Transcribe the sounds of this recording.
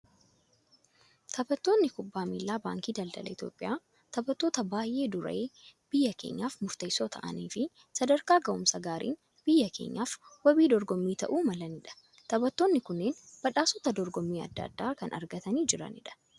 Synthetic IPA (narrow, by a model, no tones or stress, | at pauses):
t̪ʰɐbɐt̪ːoːnːɪkʊbːaːmiːlːaːba̰ːŋkiːd̪ɐld̪ɐ̰lɐɪt̪jo̰ːpʼːɪjʔaː | t̪ɐbɐt̪ːo̞ːt̪ɐbaːjʔe̞ːd̪ʊɾɐ̰eːb̥ɪjːɐkḛːɲːaːfmʊɾt̪ɐjso̞ːt̪ʰɐ̰ʔɐ̰niːfɪ | sɐd̪ɐɾkaːɡɐʔʊmsɐɡaːɾḭːn | b̥ɪjːɐkʰe̞̰ːɲːaːfwɔbiːd̪ɔɾɡɔmːiːt̪ɐ̰ʔuːmɐlɐnɪᶑɐ̥ | t̪ɐbɐt̪ːo̞ːnːɪkʊnːeːnb̥ɐᶑaːsɔt̪ɐd̪ɔɾɡɔmːiːɐ̰d̪ːɐ̰d̪ːaːkɐnɐ̰ɾɡɐt̪ɐniːd͡ʒɪɾɐ̰nɪ̰ᶑɐ̥